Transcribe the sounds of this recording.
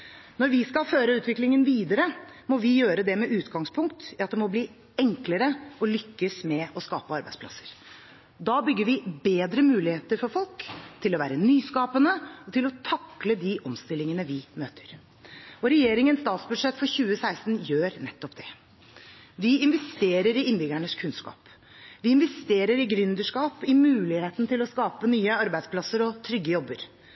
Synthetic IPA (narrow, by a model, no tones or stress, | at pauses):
nɔɾʋɪskɑlføːɾəʉːt̪ʋɪklɪŋənʋiːd̪əɾəmɔʋɪjøːɾəd̪ɛmɛʔʉːt̪ɡɑŋspʰʊŋkt̪ɑt̪̚d̪ɛmɔbliː | ɛŋkləɾəʔɔlʏkːəsmɛɔskɑːpəɑɾbæɪd̪spʰlɑ̰səɾ | d̪ɑːbʏɡːəɾʋɪbeːd̪ɾəmʉːlɪheːt̪əɾfɔɾfɔlkt̪ʰɪlɔʋæ̰ːɾənyːskɑːpənəɔt̪ʰɪlɔt̪ʰɑkləd̪iʔɔmst̪ɪlːɪŋənəʋɪmøːt̪ʰə̥ɾ | ɔɾɛjeːɾɪŋənst̪ɑːt̪sbʉd̪ʂɛt̪ːfɔɾçʉːəsæɪst̪njøːɾnɛt̪ːɔpd̪ɛ | ʋɪɪnʋɛst̪eːɾəɾɪɪnbɪɡæɳəskʰʉnskɑ̰ːp | ʋɪɪnʋɛst̪eːɾəɾɪɡɾʏnd̪əʂkɑːpɪmʉːlɪheːt̪nət̪ʰɪlɔskɑːpənyːəɑɾbæɪspʰlɑsəɾɔt̪ʰɾʏɡːəjɔbːəɾ